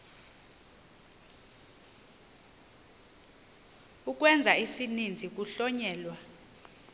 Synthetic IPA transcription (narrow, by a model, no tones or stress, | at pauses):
uk̬ʼwɛnd͡zʱaisinind͡zʱik̬ʼuɬɔɲɛːlwa